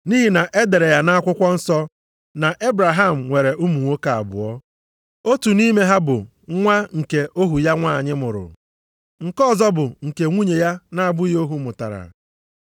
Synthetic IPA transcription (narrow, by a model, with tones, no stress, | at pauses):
ni˦ɦi˨na˨ʔe˦de˨ɾe˨ja˦na˦a˦kʷʊ˦kʷɔ˦n̩˦sɔ˦ | na˨ʔe˦bɾa˨ɦa˦m̩˨ŋʷe˨ɾe˨ʔu˦mu˨ŋʷo˦ka˨a̰˨bʊ̰˨ɔ˦ | o˦tu˨ni˦me˦ɦa˦bʊ˨ | ŋʷa˦ŋ̩˨ke˨ʔo˦ɦu˨ja˦ŋʷa˦˨ɲɪ˦mʊ˨ɾʊ̰˨ | ŋ̩˨kɔ˦˨zɔ˦bʊ˨ŋ̩˨ke˨ŋʷu˦ɲe˨ja˦na˦a˨bʊ˦i˦o˦ɦu˦mʊ˨ta̰˨ɾa̰˨